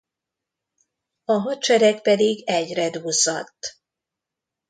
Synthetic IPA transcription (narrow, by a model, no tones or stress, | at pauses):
ɒɦɒt͡ʃɛɾɛkpɛd̪iɡɛɟrɛd̪uːzːɒt̪ː